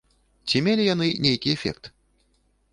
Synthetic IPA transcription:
t͡sʲimʲelʲijanɨnʲejkʲiɛfʲɛ̰kt̪

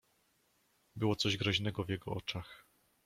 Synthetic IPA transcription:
bɘwɔt̪sɔʑɡɾɔʑnɛɡɔvjɛɡɔɔt͡ʂax

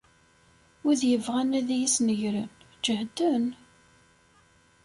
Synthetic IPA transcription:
uðjəvʁænæðjisnəʝɾən | d͡ʒəhd̪ən

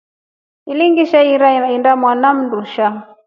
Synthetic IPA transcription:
iliŋɡiʃaiɾaindamwanam̩nduʃa

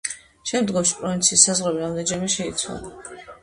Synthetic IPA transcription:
ʃɛmd̪ɡɔmʃi̥pʼɾɔvint̪sʰiːsːazʁɛbiɾamd̪ɛd͡ʒamɛʃɛit̪sʰwa̰lˠa

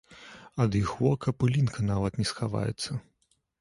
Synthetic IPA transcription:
ɐd̪jixvɔkɐpɨlʲinkɐnavɐt̪nʲɛsxava̰jɛ̰t̪sːɐ

